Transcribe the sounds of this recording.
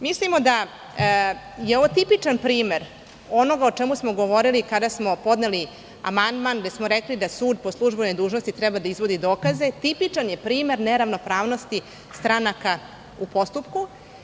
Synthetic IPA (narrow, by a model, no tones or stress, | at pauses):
mislimo̞d̪a | jeo̞ʋot̪ipit͡ʂanpɾiːme̞ɾ | o̞no̞ɡaot͡ʂemusmo̞ɡoʋo̞ɾilikad̪asmo̞po̞d̪neli | a̰mand̪manɡd̪e̞smoɾeklid̪asuːd̪̚po̞slˠuʒbenojd̪uːʒnost̪it̪ɾɛbad̪aizʋo̞d̪id̪o̞ːkaze̞t̪ipit͡ʂanje̞pɾiːme̞ɾneɾaʋno̞pɾaːʋno̞st̪i | st̪ɾanaka | upo̞st̪upku